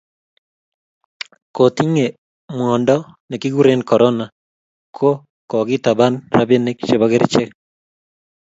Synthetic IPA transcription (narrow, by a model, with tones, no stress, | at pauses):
ko˨t̪i˦ŋe˨ | mwɔ˨ndɔ˦ | ne˨ki˦ɣu˦ɾe˦nkɔ˨ɾʔɔ˦na˨ | kʰo˦ | kɔ˨ɣi˦t̪a˨βa˦nɾa˦be˦ne˦kʃe˨βa˦ɣe˦ɾi˦t͡ʃe˦k